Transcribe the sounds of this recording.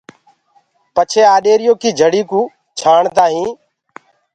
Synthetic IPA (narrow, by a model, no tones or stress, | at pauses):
pət͡ʃʰeːaːɗeːɾɪjõːkiːd͡ʒʱəɽiːkũː | t͡ʃʰaːɳt̪aːɦĩː